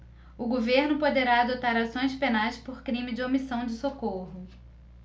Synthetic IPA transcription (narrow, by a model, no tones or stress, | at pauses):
ʊɡoveɾnʊpod̪eɾaːd̪ot̪aɾasõj̃spenajspoɾkɾĩmɪd͡ʒɪomisɐ̃w̃d͡ʒɪsokoɦʊ